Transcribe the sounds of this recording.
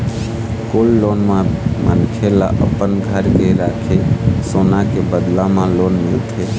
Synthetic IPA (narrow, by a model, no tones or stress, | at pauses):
kolːonmamənkʰela̰ʔə̰pːənɡʱəɾɡəɾakʰesonakebəd̪lamalonmilt̪ʰe